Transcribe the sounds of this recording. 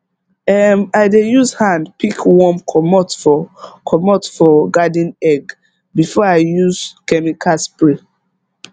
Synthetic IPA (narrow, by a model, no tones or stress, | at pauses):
ɛmaɪdejuzhãndpikwɔ̃mkʰɔmɔtfɔkʰɔmɔtfɔɡadĩnɛɡ | bifɔaɪjuzkɛmikʰaspɹe